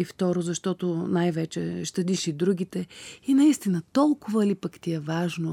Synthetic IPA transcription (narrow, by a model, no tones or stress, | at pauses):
ift̪ɔɾozɐʃt̪ɔt̪onajvɛt͡ʃɛʃt̪ɐd̪iʃid̪ɾuɡʲit̪ɛinɐist̪inət̪ɔlˠkʊvəlipɐkt̪ʲiɛvaʒno